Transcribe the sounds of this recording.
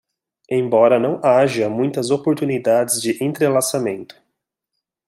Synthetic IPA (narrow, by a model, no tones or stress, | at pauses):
ẽj̃bɔɾɐnɐ̃w̃aʒɐmũj̃t̪ɐzopoɾt̪unid̪ad͡ʒɪzd͡ʒɪʔẽnt̪ɾelasamẽnt̪ʊ̥